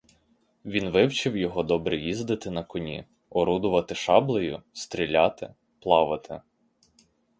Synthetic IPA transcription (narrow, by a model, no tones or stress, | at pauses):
ʋʲinʋɪwt͡ʃɪwjɔɦɔd̪ɔbɾɪjizd̪ɪt̪ɪnɐkɔnʲḭ | ɔɾud̪ʊʋɐt̪ɪʃɑblˠɔjʊ̰st̪ɾʲilʲɑt̪ɪ̰ | plˠɑʋɪt̪ʰɪ̰